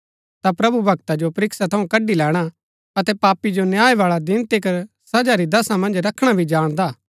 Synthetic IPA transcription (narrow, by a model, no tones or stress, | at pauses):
t̪apɾɐbubʱɐɡt̪ad͡ʒopɐɾɪksat̪ʰɐũkɐɖilɛːɽ̃a | ɐt̪ɛpaːpid͡ʒonjaːeʋaːɭad̪ɪnt̪ikɐɾ | sɐd͡ʒaɾid̪ɐsamɐ̃nd͡ʒɾɐkʰɽ̃abʱid͡ʒaːɽ̃d̪aː